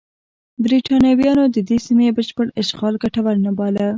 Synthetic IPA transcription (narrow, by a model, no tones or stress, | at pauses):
bɾiʈɑnjɑwjɑnod̪əd̪esimebəʃpəɽɪʃɣɑlɡaʈawaɾnabɑla